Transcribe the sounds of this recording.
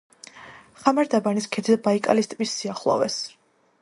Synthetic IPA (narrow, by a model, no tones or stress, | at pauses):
χamaɾd̪abaniskʰɛd̪ʰd̪abaikʼa̰list̪ʼvisːiaχlˠɔ̰vɛs